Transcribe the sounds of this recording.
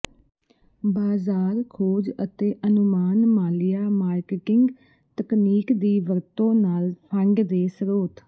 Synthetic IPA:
baːzaːɾkʰoːd͡ʒət̪eːʔənʊmaːnmaːlɪjaːmaːɾkɪʈɪŋɡ | t̪əkniːkd̪iːʋəɾt̪õːnaːlpʰə̃ŋɡd̪eːsəɾoːt̪

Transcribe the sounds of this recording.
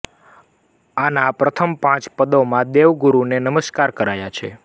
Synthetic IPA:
anapɾət̪ʰəmpãt͡ʃpəd̪omãd̪eʋɡuɾunenəməskaɾkəɾajat͡ʃʰḛ

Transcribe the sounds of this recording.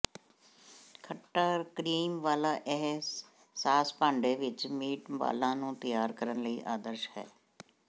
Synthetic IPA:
kʰəʈːaːkɾiːmʋaːlaːʔɛɦs | saːspãːɳɖeːʋɪt͡ʃmiːʈʋa̰ːlãːnũːt̪ɪjaːɾkəɾənləiːʔaːd̪əɾʃhɛ̰ː

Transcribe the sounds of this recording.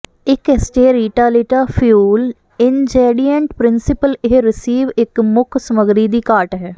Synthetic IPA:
ɪkɛsʈeːɾiːʈaːlɪʈaːfʰjuːl | ɪnd͡ʒeːɖijə̃ɳʈpɾɪnsɪpəlɪɦɾɪsiːʋɪkmʊkʰsəməɡɾiːd̪iːkaːɾʈɦɛː

